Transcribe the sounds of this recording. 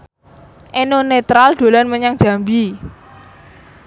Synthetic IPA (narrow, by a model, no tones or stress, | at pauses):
ʔenonet̪ɾalɖ̪̥o̤lanməɲaŋ̥d͡ʒ̥a̤mbi